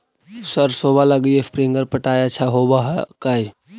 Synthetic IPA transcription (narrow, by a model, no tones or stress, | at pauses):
səɾsoːbaləɡiespɾĩŋɡəɾpəʈaːjat͡ʃʰaɦobaɦka